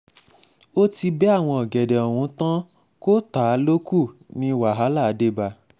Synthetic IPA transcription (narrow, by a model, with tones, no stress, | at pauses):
o˦ti˧bɛ˦a˦˨w̃ɔ̃˧ɔ˨ɡɛ˨dɛ˨ɔ˨w̃ũ˨˧˦tã˦ | ko˦ta˨˦lo˦ku˦˨nĩ˧˦wa˨ɦa˨˦la˦˨˦de˦ba˧